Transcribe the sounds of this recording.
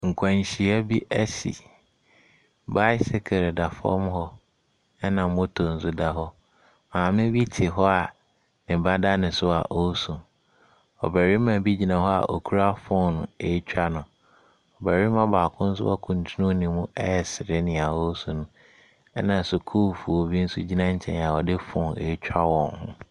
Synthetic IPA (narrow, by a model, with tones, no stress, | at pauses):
ŋ̩˨kʷʰã˨ɲ˨ɕi˨˦a˦bi˦ʔæ˦sḭ˨ | ba˦sɪ˦kʰe˨ɾɛ˨da˨fɔ̰˦m˦ɦɔ˦ | ɛ˦nã˨m˦mʊ̃˦tʰo˨n̩˨s̬ʊ˦da˦ɦɔ˦ | mãː˨mɪ̃˦bi˦tʰɪ˨ɦɔ˦a˨ | nɪ̃˨ba˦da˦nɪ̃˨sʊ˦a̰˨ʔo˦sũ˨ | ɔ̰˨bæ˨ɾi˦mã˨bi˦d͡ʑi˨nã˨ɦɔ˦a̰˨ʔo˨kʰu˦ɾa˦fʊ̃˦nʊ̃˨e˦t͡ɕᶣa˦nʊ̃˨ | ɔ˨bæ˨ɾi˦mã˦baː˨kʰʊ̃˦n̩˦s̬ʊ̰˦ɔ̰˦˨kʰũ˨n˨tʰu˦nũ˦nĩ˨mũ˦ɛ˦jɛ˨sɪ˨ɾɪ˦nɪ̃˨a˨o˦sũ˨nʊ̃˦ | ɛ˦nã˨sʊ˨kʰoː˦˨fu˨o˨bi˦n̩˦sʊ̰˦d͡ʑi˦nã˦ɲ̩˦t͡ɕʰɛ̰̃˨na˨ɔ˨dɪ˦fʊ̃˦˨e˨˦t͡ɕᶣa˦wɔ̃˨nhʊ̰̃˦